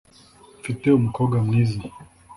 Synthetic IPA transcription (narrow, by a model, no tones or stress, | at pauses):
fitɛum̩kɔɡamwizi